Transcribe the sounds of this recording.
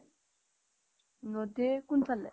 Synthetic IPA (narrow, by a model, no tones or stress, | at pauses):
nod̪ekunt͡sʰale